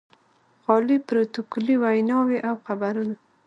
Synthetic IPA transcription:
ɣɑlipɾot̪okoliwajnɑweʔawxabaɾuna

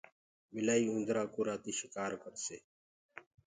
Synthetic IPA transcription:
mɪlaːiːũnd̪ɾaːkuːɾaːt̪iːʃɪkaːɾkəɾseː

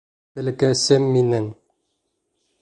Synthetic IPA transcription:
bɘ̆lkæsɘmːinɘŋ

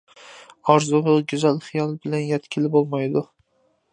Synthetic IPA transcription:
ɒɾzʊlʊɡʲʊzalχɪjɒlˠbɪlanjat̪kʲʰɪlɪbolˠmajd̪ʊ

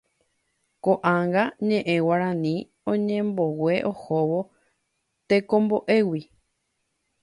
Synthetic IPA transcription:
koʔãŋɡaɲẽ̞ʔẽwaɾãnĩ | õɲẽmbo̞we̞ʔohoʋo | t̪e̞kõ̞mboʔe̞wi

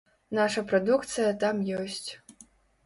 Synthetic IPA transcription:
naʂɐpɾad̪ukt̪sɨjɐt̪amjɔsʲt͡sʲ

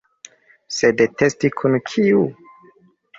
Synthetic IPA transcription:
sedetʰe̞stikʰunkʰiu

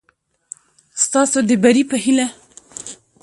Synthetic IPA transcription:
st̪ɑsod̪əbaɾipəhila

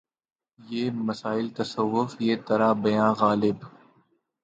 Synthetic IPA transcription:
jeːmɐsaːɪlt̪ɐsəʋːʊfjeːt̪ɐɾabɐjãːɣaːlɪb

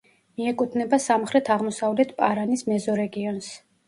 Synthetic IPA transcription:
miɛkʼut̪ʰnɛbasamχɾɛt̪ʰaʁmɔsavlɛt̪ʰpʼaɾanismɛzɔɾɛɡiɔns

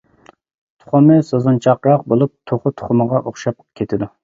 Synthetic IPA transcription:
t̪ʰʊ̥χʊmɨsozunt͡ʃʰɑqɾɑq̚bolˠup̚t̪ʰoχʊt̪ʰʊ̥χʊməʁɑʔoχʃɑp̚kʲʰet̪ʰɪd̪u

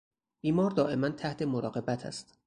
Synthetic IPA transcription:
b̥iːmɒːɾd̪ɒːʔe̞mænt̪ʰæht̪ʰe̞moɾɒːɢe̞bæt̪ʰæ̰st̪

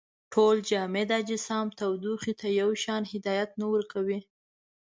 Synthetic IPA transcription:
ʈʰold͡ʒɑmed̪ɑd͡ʒɪsɑmt̪awd̪uxit̪ʰajawʃɑnhɪd̪ɑjat̪̚nawəɾkawi

